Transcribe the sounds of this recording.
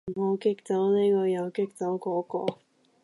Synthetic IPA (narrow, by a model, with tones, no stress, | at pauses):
ho˨˧wkɪ˥k̚t͡sɐ˨˥wniː˥kɔː˧jɐ˨˧wkɪ˥k̚t͡sɐ˨˥wkɔː˨˥kɔ̰ː˧